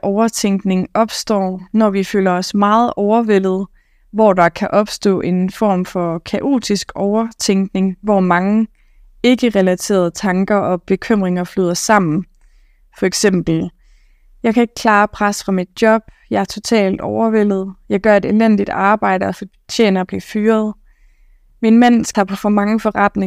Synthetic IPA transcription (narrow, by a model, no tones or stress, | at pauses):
ʔɒʊɐt͡sʰeŋɡ̥ne̝ŋɒ̽b̥sd̥ɒ̰ːnɒʋifølɐɒ̽smɑ̈ːð̞̩ˠʔɒʊɐʋel̰ð̞̩ˠ | ʋɒdɑ̈kʰæʔɒ̽b̥sd̥ɔ̰̽ːʔe̝nfɒ̰ːmfɒ̽kʰæʔo̝̰ːd̥isɡ̥ɒʊɐt͡sʰeŋ̰ɡ̥ne̝ŋʋɒmɑ̈ŋə | e̝ɡ̥əʁɛlæt͡sʰe̝̰ːɐð̞ˠt͡sʰɑ̈ŋɡ̥ɐʔɒ̽b̥e̝kʰøm̰ʁeŋɐfløð̞̰ˠɐsɑ̈m̰n̩ | fɒ̽eɡ̥sem̰b̥l̩ | jɑ̈ɪkʰæe̝ɡ̥ə̥kʰlɑ̈ːpʰʁasfʁɑ̈mid̥̚djɒ̽b̥̚jɑ̈æɐt͡sʰo̝t͡sʰɛ̰ːld̥ɒʊɐʋel̰ð̞̩ˠjɑ̈ɪɡ̥ɶɐe̝d̥e̝len̰d̥id̥ɑ̈ːb̥ɑ̈ɪ̰ɾəɒ̽fɒ | t͡ɕʰḛːnɐb̥lifyːɐð̩ˠ | minmæn̰sɑ̈b̥ʰɒfɒmɑ̈ŋəfɒ̽ʁad̥ne